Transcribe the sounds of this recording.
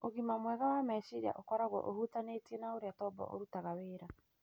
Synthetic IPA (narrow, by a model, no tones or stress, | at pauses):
oɣimamwɛɣawamɛʃiɾa̰ʔokɔɾaɣwɔ̰ʔohutanetiɛnaoɾeatɔbɔ̰ʔo̰ɾutaɣaweːɾa